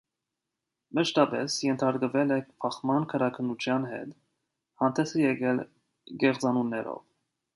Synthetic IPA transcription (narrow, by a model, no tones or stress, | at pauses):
məʃt̪ɑpɛ̰sjɛnt̪ʰɑɾkəvɛlɛkpʰɑχmɑnkʰəɾɑkʰənːut͡ʃʰjɑnɦɛ̰t̪ | hɑnt̪ʰɛsɛjɛɡɛl | ɡɛχt͡sɑnunːɛɾɔ̰v